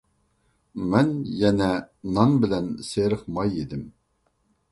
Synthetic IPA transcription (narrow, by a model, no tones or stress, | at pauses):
mɛnjɛnɛnɑnbɪlɛnseɾɨχmɑjed̪ɪm